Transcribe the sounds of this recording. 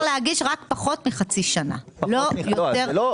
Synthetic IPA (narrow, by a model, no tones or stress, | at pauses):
leaɡiʃʁakpaχo̞t̪miχat͡siʃana̰lojoeʁ